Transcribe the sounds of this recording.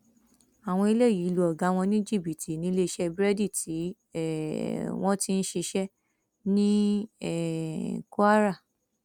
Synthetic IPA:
a˨w̃ɔ̃˧i˧le˦˨ji˨˦lu˧˦ɔ˨ɡa˨˦w̃ɔ̃˧nĩ˦d͡ʒi˦˨bi˨tʰi˨nĩ˨˦le˧ʃɛ˦bɾɛ˦di˦˨tʰi˨˦ | ɛ˦˨w̃ɔ̃˦ti˦n̩˦ʃe˧ʃɛ˦ | nĩ˦ɛ˦˨ku˦a˦ɾa˦˨

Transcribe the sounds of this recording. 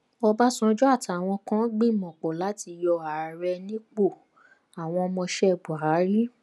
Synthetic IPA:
ɔ˧ba˦sɔ̃˦˧˦d͡ʒɔ˦a˦˨tʰa˨˧˨w̃ɔ̃˧kã˦ɡ͡bĩ˦˨mɔ̃˨k͡pɔ˨la˨˦ti˧jɔ˧a˨ɾɛ˧nĩ˦k͡po˦˨ | a˨w̃ɔ̃˧mɔ̃˧ʃɛ˦˨bu˨ɾa˨˦ɾi˦

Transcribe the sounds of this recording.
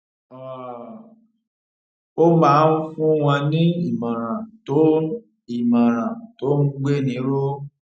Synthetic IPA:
ɔ˨ | o˦mãː˨˦ũ˦fũ˦w̃ã˧nĩ˦i˦˨mã˨ɾ̃ã˨to˨˦ | i˨mã˨ɾ̃ã˨to˨˦ũ˦ɡ͡be˦˨nĩ˨˦ɾo˦

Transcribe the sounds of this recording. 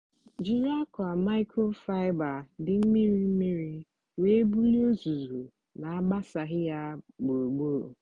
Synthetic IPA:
d͡ʒi˦ɾa˦kʊ˨a˨ma˦ɪ˦kʰo˦fa˦ɪ˦ba˨dɪ˨m̩˦mi˦ɾi˦m̩˦mi˦ɾi˦ | we˦bu˦li˦o˦zu˨zu˨ | na˨a˦ɡ͡ba˦sa˨ɦɪ˦ja˦ɡ͡bo˨ɡ͡bo˦˨

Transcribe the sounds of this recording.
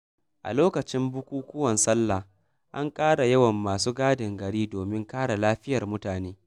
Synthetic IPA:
ʔa̰˨loː˦kɐ˨t͡ʃɪ˦mbʊ˦kʷuː˦kʷʊ˦wɐ˨nsɐ˦lːa˨ | ʔa˦ŋkʼaː˦ɽa˨jɐ˦wɐ˨mːaː˨suː˦ɡaː˦dɪ˨ŋɡɐ˨ɽiː˦doː˨mɪ˦ŋkaː˦ɽa˨laː˦ɸɪ˦jɐ˨rmʊ˦taː˨neː˦

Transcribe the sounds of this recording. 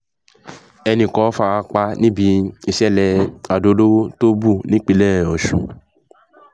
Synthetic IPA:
ɛ˧nĩ˦˨kɔ̃˨˦fa˧a˧k͡pa˧nĩ˦bi˨˧˦i˧ʃɛ˦˨lɛ˧a˨do˧˦lo˦to˦bu˦˨nĩ˨˦k͡pi˧lɛ˦˨ɔ˨ʃṵ̃˨

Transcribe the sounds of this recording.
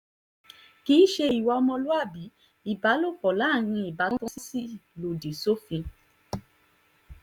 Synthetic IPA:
ki˨˦ʃe˧i˨wɔ˧ɔ˧mɔ̃˧lo˦a˦˨bi˨˦ | i˨ba˨˦lo˦˨k͡pɔ˨la˨˦˨ɾ̃ĩ˧i˨ba˨˦tɔ̃˦si˦si˦˨lo˨de˨so˦fĩ˧

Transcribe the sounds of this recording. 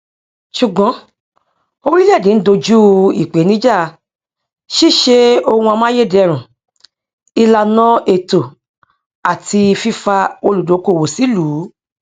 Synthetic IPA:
ʃu˨ɡ͡bɔ̃˨˦ | o˧ɾi˦lɛ˦˨dĩ˨˦n̩˦do˧d͡ʒu˦ḭ˨k͡pe˨˦nĩ˦d͡ʒa˦˨˧ | ʃi˦˨ʃe˧o˧ũ˧a˧mã˦je˦˨dɛ˦ɛ˦˧˨ɾ̃ũ˨ | i˧la˧nã˦e˨to˨ | a˨ti˧fi˦fa˧o˧lu˨do˨˦ko˦˨wo˨si˨˦lu˨˦

